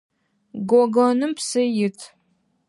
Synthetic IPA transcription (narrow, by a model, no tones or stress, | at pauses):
ɡʷɔɡɔnɨmpsɐjɪtʰ